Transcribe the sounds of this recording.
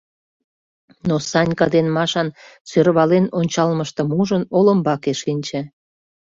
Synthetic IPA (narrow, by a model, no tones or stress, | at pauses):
nosɑnʲkɑd̪enmɑʃɑnsørβɑlenonʲt͡ɕɑlməʃt̪ə̆muʒənoləmbɑkeʃinʲt͡ɕĕ